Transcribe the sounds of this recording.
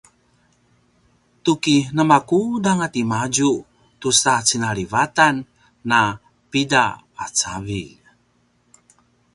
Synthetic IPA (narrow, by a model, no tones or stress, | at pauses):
t̪ukinəmakudaŋat̪imad͡ʒu | tusat͡sinaɭivatanː | a | pida | at͡savi